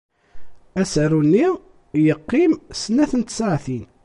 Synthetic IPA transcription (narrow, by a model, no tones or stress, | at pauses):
æsərunːi | jəqːimsənæθənt̪saʕθin